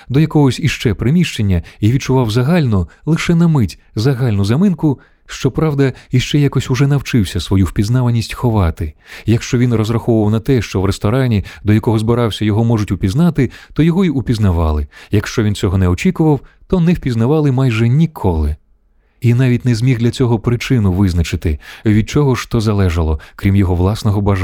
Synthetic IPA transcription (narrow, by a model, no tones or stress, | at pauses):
d̪ɔjɐkɔɦɔsʲiʃt͡ʃɛpɾɪmʲiʃt͡ʃenʲːɐiʋʲid̪̚t͡ʃʊʋɑwzɐɦalʲnɔlˠɪʃɛnɐmɪtʲ | zɐɦalʲnʊzɐmɪnkʊ | ʃt͡ʃɔpɾɑwd̪ɐiʃt͡ʃɛjakɔsʲʊʐɛnɐwt͡ʃɪwsʲɐsʋɔjuwpʲid̪znaʋɐnʲisʲtʲxɔʋɑt̪ɪjɐkʃt͡ʃɔʋʲinrɔzɾɐxɔʋʊʋɐwnɐt̪ɛʃt͡ʃɔwɾest̪ɔɾɑnʲid̪ɔjɐkɔɦɔzbɪɾɑwsʲɐjɔɦɔmɔʐʊtʲʊpʲiznɑt̪ɪt̪ɔjɔɦɔiʊpʲiznɐʋɑlˠɪjɐkʃt͡ʃɔʋʲint͡sʲɔɦɔnɛɔt͡ʃʲikʊʋɐwt̪ɔnɛwpʲiznɐʋɑlˠɪmɑjʒɛnʲikʰɔlˠɪ | inɑʋʲitʲnɛzʲmʲiɣd̪lʲɐt͡sʲɔɦɔpɾɪt͡ʃɪnʊʋɪznɐt͡ʃɪt̪ɪʋʲid̪̚t͡ʃɔɦɔʃt̪ɔzɐlˠɛʒɐlˠɔkɾʲimjɔɦɔʋlˠɑsnɔɦɔbɐʒ